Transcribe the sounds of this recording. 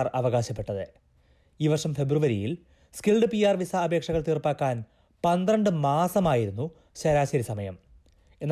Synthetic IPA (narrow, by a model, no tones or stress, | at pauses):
rɐʋɐɣaːɕɐpːe̞ʈːɐðɨ | iːʋɐrʂɐmfe̞bruʋɐɾijḭl | skilɖɨpijaːrʋisɐːbʱe̞ːkʂɐɣɐɭt̪iːrpːaːkːaːn | pɐnd̪rɐɳɖɨmaːsɐmaːjiɾunːu | ɕɐɾaːɕɐɾisɐmɐjɐ̰m | e̞nː